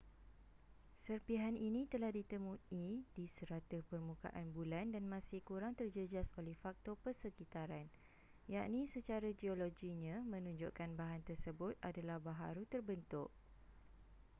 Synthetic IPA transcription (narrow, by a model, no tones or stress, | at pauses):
sərpiɦaninĩt̪əlahdit̪əmũidisəɾat̪əhpərmũka̰ʔanbulandanmãsɪhkuɾaŋt̪ərd͡ʒəd͡ʒasolɛhfak̚t̪ɔpərsəkit̪aɾan | jaʔnĩsət͡ʃaɾad͡ʒioloɡiɲãmə̃nũɲd͡ʒʊʔkanbaɦant̪ərsəbʊt̪̚adalahbaɦa̰ɾut̪ərbənt̪ʊʔ